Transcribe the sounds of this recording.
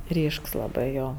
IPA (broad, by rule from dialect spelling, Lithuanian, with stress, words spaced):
ˈrʲiːʃks lˠɐˈbɜ ˈjoː